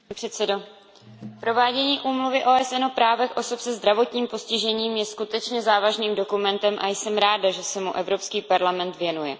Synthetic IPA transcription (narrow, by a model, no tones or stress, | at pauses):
pr̥ɛt̪sɛdo | pɾo̞vaːɟɛɲiːʔuːmluvɪʔoːʔɛsɛnopɾaːvɛxʔo̞sopsɛzd̪ɾavo̞t̪ɲiːmpo̞scɪʒɛɲiːmjɛskut̪ɛt͡ʃɲɛzaːvaʒniːmdo̞kumɛnt̪ɛmʔajsɛmɾaːdaʒɛsɛmuʔɛvɾo̞pskiːpaɾlamɛnt̪vjɛnujɛ